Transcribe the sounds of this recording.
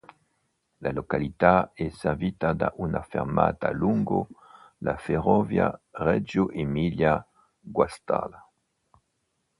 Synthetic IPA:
lalokalit̪aɛseʁvit̪ad̪aʔunafeʁmat̪aluŋɡo̰ | lafeʁɔvja̰ʁɛd͡ʒoʔemilja | ɡwast̪a̰la

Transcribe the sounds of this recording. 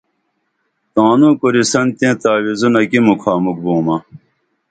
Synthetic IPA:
t̪ãːnũːkoɾisɐnt̪ẽːt̪aːwizunɐkimukʰaːmuk̚bũːmɐ

